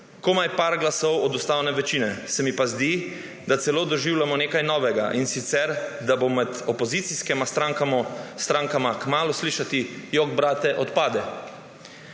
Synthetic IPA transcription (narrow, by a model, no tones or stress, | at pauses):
komajpaɾɡlasɔwɔd̪ust̪awnɛʋɛt͡ʃiːnɛsɛmipazd̪i | d̪at̪sɛloːd̪ɔʒiwlʲjamɔneːkajnɔːʋɛɡaʔinsit̪sɛɾd̪abomɛd̪ɔpɔzit̪siskɛmast̪ɾaŋkast̪ɾaŋkamakmaːlusliːʃat̪ijoɡbɾaːt̪ɛʔɔt̪paːd̪ɛ